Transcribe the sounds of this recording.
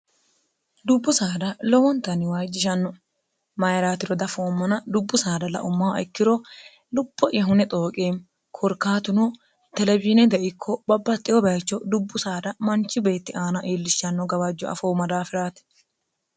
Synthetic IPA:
d̪ʊbːʊsaːd̪ɐlɔwɔnt̪ːɐnɪwajd͡ʒːɪʃɐnːɔ | mɐjɾaːt̪ɪɾɔd̪ɐfoːmːɐnɐd̪ʊbːʊsaːd̪ɐlɐ̰ʔʊmːaːɪkːɪɾɔ | lʊpːɔʔɪjɐɦʊnɛt̪ʼo̞ːkʼeːm | kʰɔɾkːaːt̪ʊnɔ | t̪ɛlɛbiːnɛd̪ɛʔɪkʰːɔbɐbːɐt̪ʼːɪjɔbɐːt͡ʃːɔd̪ʊbːʊsaːd̪ɐmɐnt͡ʃːɪbe̞ːt̪ːɪʔaːnɐʔeːlːɪʃːɐnːɔɡɐbɐd͡ʒːɔɐ̰foːmɐd̪aːfɪɾaːt̪

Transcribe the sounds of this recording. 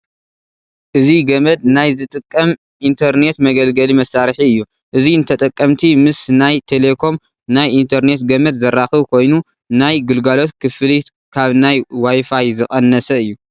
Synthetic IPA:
ʔɨziɡɐmɐd̪̚najzɨt̪ʼɨkʼːɐm | ʔint̪ʰɐɾne̞t̪mɐɡɐlɡɐlimɐsːaɾħiɨjːu | ʔɨziɨnt̪ʰɐt̪ʼɐkʼːɐmt̪ʰimɨsnajt̪ʰele̞kʰo̞m | najʔint̪ʰɐɾne̞t̪ɡɐmɐd̪zɐrːaxɨβkʰo̞jnu | najɡɨlɡalo̞t̪kʰɨfɨli | kʰaβnajwajfajzɨχʼɐnːɐsɐɨjːu

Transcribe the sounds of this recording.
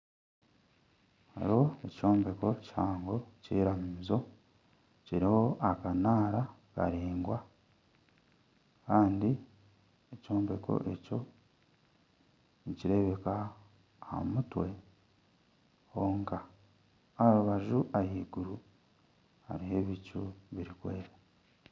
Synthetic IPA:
ha̰ɾo̞eco̞ːmbe̞ko̞caːŋɡo̞cḭɾamuizo̞ | ciɾiho̞ʔakanaːɾaka̰ɾeːŋɡwa | kaːndi | eco̞ːmbe̞kʰo̞̰ʔe̞co̞ | iciɾe̞βe̞ka | ha̰mutwe̞ | hoːŋkaː | ɾuβaʒuʔajiːɡuɾu | ha̰ɾiɦe̞βicuβiɾikweːɾe

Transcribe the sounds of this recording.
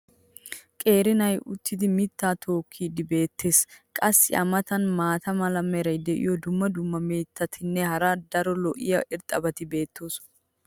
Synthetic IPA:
kʼe̞ːɾɪnɐjʊt̪ːɪd̪ɪmɪt̪ːaːt̪ʰo̞ːkʰːiːd̪ɪbe̞ːt̪ʰːe̞skʼɐsːɪ̰ʔɐ̰mɐt̪ɐnmaːt̪ɐmɐlɐmːɛɾɐjd̪ɛʔɪ̰jɔd̪ʊmːɐd̪ʊmːɐmeːt̪ːɐt̪ʰɪnːɛhɐɾɐd̪ɐɾɔlɔʔɪjɐʔɪɾt̪ʼɐbɐt̪ɪbe̞ːt̪ːo̞ːs

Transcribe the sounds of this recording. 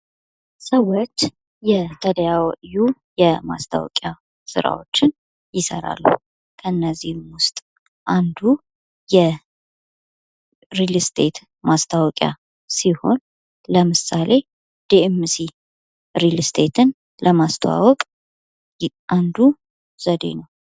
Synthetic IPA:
səwːot͡ʃː | jɛt̪ʰəd̪əjawʔju | jɛma̰st̪ʰa̰wɔ̰kʼja | sɨ̰ɾa̰wot͡ʃːɪn | jɪsə̰ɾa̰lːṵ | kʰəɨnːəzːihmwʊst̪ʼ | ʔand̪u | jɛ | ɾilst̪ʰe̞t̪ | mast̪ʰawɔkʼja̰ | siho̞n | ləmɨsalʔe̞ | d̪̥iemsi | ɾilst̪ʰe̞t̪ʰɨn | ləmast̪ʰəwa̰wɔkʼ | ʔand̪u | z̥əd̪e̞̰nəw

